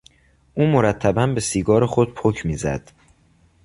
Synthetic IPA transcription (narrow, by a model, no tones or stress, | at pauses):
ʔuːmo̞ɾæt̪ʰːæbænbe̞siːɡɒːɾexo̞d̪̥̚pʰocʰmiːzæ̰d̪̥